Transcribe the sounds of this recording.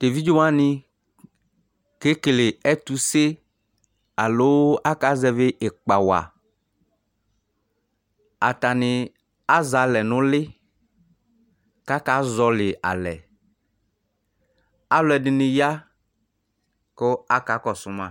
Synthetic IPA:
te˨vi˦d͡ʒo˦wa˦nɪ̃˦˨ | ke˦klɪ˨ɛ˦t̪u˦se˦ | a˨lo˦a˦ka˦zɛ˦vɪ˦ʔɪ˨k͡pa˨wa̰˨ | a̰˨t̪a˨nɪ˨ | a˦za˨lɛ˨nʊ̃˦lɪ˦ | ka˦ka˨˦zɔ˨lɪ˨ʔa̰˨lɛ̰˨ | a˦lʊ˦ɛ˨dɪ˨nɪ̃˨ja˦ | ko˦a˦ka˨˦kɔ˨sʊ˨˦mã˨

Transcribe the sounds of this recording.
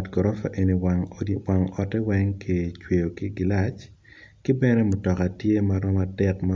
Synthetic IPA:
tɡɔ˨ɾɔ˦fa̰˨ʔe˨ni˨wa˨ŋɔ˨tɛ˦wɛ˦ŋki˨t͡ʃwe˨jo˨kɪ˦ɡɪ˨la˦t͡ʃ | kɪ˦bɛ˦nɛ˦mʊ˨tɔ˨ka˨tje˦maɾɔ˦ma˨tɛ˦kma˦

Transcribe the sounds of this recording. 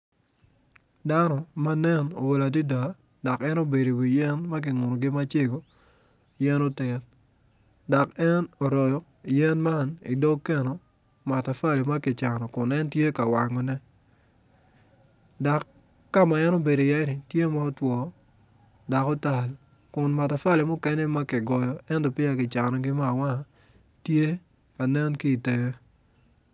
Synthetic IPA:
da˦nɔ˨ma˦nɛ˦no̰˨wo˨la˨di˦da˨ | da˨kɛ˦no˦be˨ɾi˨wi˨jɛ˦nma˦k̬ɪ˨ŋʊ˨no˨ɡɪ˦ma˦t͡ʃe˦ɡo˨ | jɛ˦no˦tɛ˨n | da˨kɛ˦no˨ɾɔ˨jɔ˨ | i˨jɛ˦nma˦nḭ˨do˦kːe˦no˨ | ma˨ta˨fa˦˨li˨ma˦kɪ˨t͡ʃa˨nɔ˨kʊ˨nɛ˦ntje˦ka˨wa˨ŋɔ˨nɛ˦ | da˨kː | a˦ma˨ɛ˦no˦be˨do˨ja˦ɪ˦nɪ˨tje˦ma˦ɔ˦twɔ˨ | da˨kɔ˦ta˨l | kʊ˨nma˨ta˨fa˦le˨mʊ˦kɛ˦nɛ˦ma˦kɪ˨ɡɔ˨jɔ˨ɛ˦ndɔ˨pɪ˦a˨kɪ˨t͡ʃa˨nɔ˨ɡɪ˦ma˦˨wa˦˨ | tje˦ | ka˨nɛ˦nkiː˦˨te˨je˦

